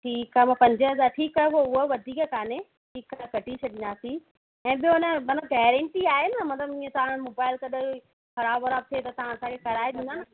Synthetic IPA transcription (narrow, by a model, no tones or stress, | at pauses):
ʈʰiːkaːmãpɐ̃ɲd͡ʑəzaːʈʰiːkaɦeɦoʊɦəʋɐd̪ʱiːkkaːne | ʈʰiːkaɦkɐʈit͡ɕʰɐɗɪ̃nd̪aːsi | ɛ̃ːɓijoʊnəmɐt̪əɡɛːɾə̃ɳʈiaːɦenəmɐt̪ləbĩːẽt̪ɐʋãɽ̃moːbaːɪlkɐɗə | xɐɾaːbɐɾaːb̚t̪ʰiet̪ɐt̪ɐʋ̤ãɐsãːkʰekɐɾaːeɗĩːnd̪aːnɪ